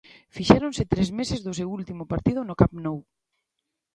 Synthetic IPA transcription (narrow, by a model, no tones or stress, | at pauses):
fiʃɛɾonsɪt̪ɾezmesɪzðʊsewult̪imʊpaɾt̪ið̞ʊnʊkapnow